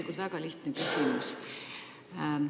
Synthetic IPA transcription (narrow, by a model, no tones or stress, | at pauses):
ikult̪vækɑliht̪nekysʲimus